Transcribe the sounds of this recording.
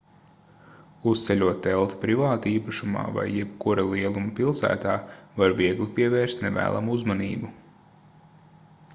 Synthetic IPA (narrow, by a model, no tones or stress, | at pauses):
ust̪sɛʎʲuɔt̪̚ːɛlˠt̪i̥pɾivaːt̪iːpaʃuma̰ːva̰jːɛpkuɾalˠiɛlˠumpilˠsæ̰ːt̪aːvaɾviɛɡlipiɛvɛːɾst̪nɛ̰væ̰ːlˠa̰muuzmaniːbu